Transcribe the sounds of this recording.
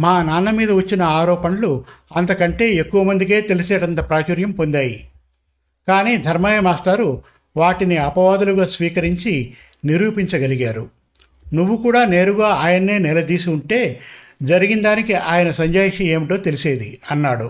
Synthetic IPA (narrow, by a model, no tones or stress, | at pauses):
maːnaːnːɐmiːd̪ɐʋɐt͡ʃːinɐaːɾɔːpɐnɐluɐnt̪ɐkɐɳʈe̞ːekːuʋɐmɐnd̪ik̬e̞ːt̪e̞liseːɽɐnt̪ɐpɾaːt͡ʃɐɾjɐmpond̪aːji | kaːniːd̪ʱɐɾmɐjɐmaːst̪aːɾu | ʋaːʈiniɐpɐʋaːd̪uluɡaːsʋiːkɐɾiɲt͡ʃi | niɾuːpiɲt͡ʃɐɡɐliɡaːɾu | nuʋːukuːɽaːne̞ːɾuɡaːaːjɐnɐe̞ːnɛlɐd̪iːsiuɳʈe̞ː | d͡ʒɐɾiɡind̪aːnikiʔaːjɐnɐsɐɲd͡ʒaːjʂie̞ːmiʈo̞ːt̪e̞liseːd̪iɐnːaːɽu